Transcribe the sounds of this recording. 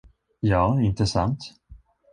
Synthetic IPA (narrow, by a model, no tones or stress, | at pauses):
jɑːɪnt̪əsant̪